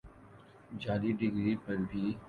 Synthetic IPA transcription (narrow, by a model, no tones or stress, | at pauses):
d͡ʒaːɗiːɖɪɡɾiːpʰəɾd̪iː